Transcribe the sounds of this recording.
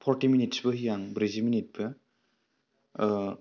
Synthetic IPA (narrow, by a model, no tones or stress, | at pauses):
pʰɔɾtiminitsbɯɦijaŋbɾiziminit̚bɯ